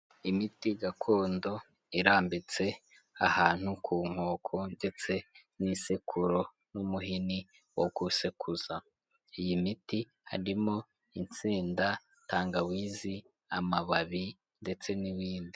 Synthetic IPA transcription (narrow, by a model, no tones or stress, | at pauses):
imitiɡakʰo̞ːndo̞ | iɾaːmbit͡se̞ | ahaːn̥hukʰuːŋ̥hoːkʰo̞nde̞t͡se̞nisekʰuɾo̞ | numuɦini | woɡusekʰuza | ijimiti | ha̰ɾimo̞ | int͡siːnda | taːŋɡawiːzi | amaβaβi | nde̞t͡se̞niwiːndi